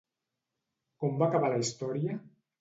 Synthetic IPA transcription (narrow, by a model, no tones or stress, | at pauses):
kɔmbakaβalaist̪ɔɾiə